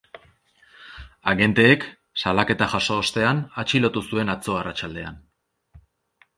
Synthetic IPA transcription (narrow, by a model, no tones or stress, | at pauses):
aɣe̞nt̪e̞ːk | salake̞t̪axaso̞ːst̪e̞anat͡ʃilo̞t̪usue̞nat͡so̞arat͡ʃald̪e̞a̰n